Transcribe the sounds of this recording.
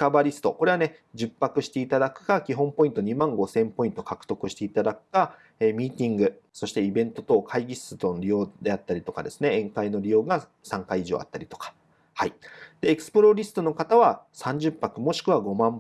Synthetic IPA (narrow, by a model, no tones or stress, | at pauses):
kabaɾʲisɨ̥t̪o̞ko̞ɾe̞βane̞ | d͡ʑɨpːakɯ̟ɕi̥t̪e̞it̪ad̪akɯ̟̥kakʲiɦõ̞mpo̞ĩnt̪o̞ɲ̟imãŋɡo̞sẽ̞mpo̞ĩnt̪o̞kakɯ̥t̪o̞kɯ̟ɕi̥t̪e̞it̪ad̪akɯ̟̥ka | eːmʲiːt̪ʲĩŋɡɯ̟ | so̞ɕi̥t̪e̞ibẽ̞nt̪o̞t̪o̞kʰaiɡʲisɨt̪oɾʲijo̞ːd̪e̞at̪ːaɾʲit̪o̞kad̪e̞sɨne̞ẽ̞ŋkaino̞ɾʲijo̞ːɡa | sãŋkaiːʑo̞̰ːa̰t̪ːaɾʲit̪o̞̥kḁ | haid̪e̞ːkɯ̥sɨ̥pɯ̟ɾo̞ɾʲisɨ̥t̪o̞no̞kat̪aβasãɲ̟d͡ʑɨpːakɯ̟mo̞ɕi̥kɯ̟βaɡo̞mãm